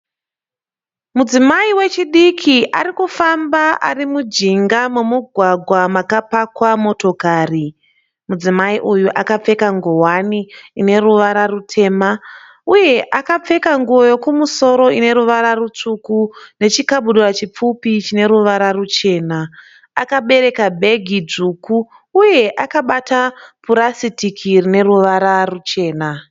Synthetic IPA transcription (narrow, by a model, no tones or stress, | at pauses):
mud͡zimaiwe̞t͡ʃiɗikʰiʔaɾikufambaʔa̰rimud͡ʒiŋɡamumuɡʱwaɡʱwamakapakwamo̞to̞kaːri | mud͡zimaiʔujuʔakap͡fe̞kaŋɡowaniːne̞ruʋaɾarutʰe̞ːma | uje̞ʔakap͡fe̞kaŋɡuo̞jo̞kumuso̞ɾo̞ine̞ɾuʋaɾarut͡ʂukune̞t͡ʃikaɓuɗurat͡ʃip͡fupit͡ʃine̞ɾuʋaɾarut͡ʃe̞ːna | akaɓe̞ɾe̞kabʱe̞ɡʱid͡zukuː | je̞ʔakaɓatapuɾasitikʰirine̞ɾuʋaɾarut͡ʃe̞ːna